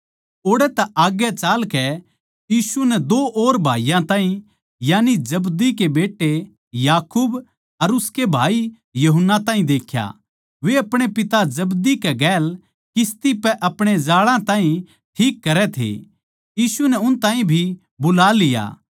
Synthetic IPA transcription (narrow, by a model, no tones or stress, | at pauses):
oːɽɛt̪aʔaːɡɛt͡ʃaːlkɛ | jiːsunɛd̪oːʔoːɾbʱa̰ːijãt̪ãːɦĩ | jaːnid͡ʒɐbd̪ikebeːʈːe | jaːkuːb | ɐɾʊskebʱa̰ːi | jɐɦʊnːat̪ãːɦĩd̪eːkʰja̰ | ʋeɐpɽ̃epɪt̪ad͡ʒɐbd̪ikeɡɛːl | kɪst̪ipɛʔɐpɽ̃ed͡ʒaːɭãt̪ãːɦĩ | ʈʰiːkːɐɾɛt̪ʰḛ | jiːsunɛʊnt̪ãːɦĩbʱi | bʊlaːlɪja̰ː